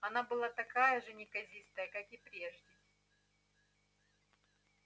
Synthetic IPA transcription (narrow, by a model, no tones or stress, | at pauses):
ɐnabɨlˠat̪ɐkajəʐɨnʲɪkɐzʲist̪əjəkakɪpɾʲeʐdʲɪ